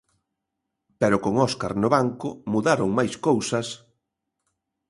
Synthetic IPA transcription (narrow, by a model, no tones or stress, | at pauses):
pɛɾʊkoŋɔskaɾnʊβaŋkʊmuðaɾoŋmajskowsɐs